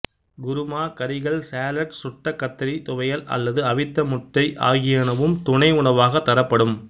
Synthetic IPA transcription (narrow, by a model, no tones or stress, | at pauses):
ɡʊɾʊmaːkɐɾɪɣɐɭsaːlɐʈsʊʈːɐkːɐt̪ːɐɾit̪ʊʋɐjɐlʔɐ̰lːɐðɯɐʋɪt̪ːɐmʊt̪ːɐɪʔa̰ːɣɪjaːnɐʋɯmt̪ʊɳɐɪʊɳɐʋaːɣɐt̪ːɐɾɐpːɐɽɯm